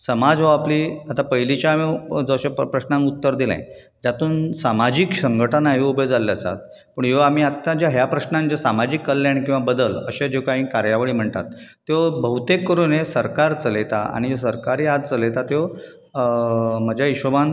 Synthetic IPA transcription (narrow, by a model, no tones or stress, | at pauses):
səmad͡zɦoapliːat̪apəɦjlit͡ɕamid͡zəɕeppɾəɕnãŋut̪ːəɾd̪ilã̰j̃ | d͡ʑat̪uːnsamad͡ʑiksəŋɡəʈənaɦiubed͡zalːjasa̰t̪̚ | pəɳjam̤iːat̪ːad͡ʑjaɦjapɾəɕnãnd͡ʑasamad͡ʑiːkːəlːjaɽ̃ik̬ĩw̃ʋabəd̪ələ̰ɕed͡ʑekaɦĩːkaɾjaʋəɭiːm̤əɳt̪a̰t̪ː | eobəɦut̪ekːəɾuːnesəɾkaɾt͡səlet̪aa̰ɽ̃ijos̬əɾkaɾiːad̪t͡səlet̪at̪eo | məd͡ʑʱjaiɕəʋan